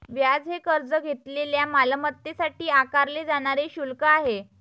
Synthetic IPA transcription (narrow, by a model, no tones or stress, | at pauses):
ʋjad͡zɦekəɾd͡zəɡʱet̪leljamalmət̪ːesaʈiːakaɾled͡zaɽ̃aɾeɕulkəaɦe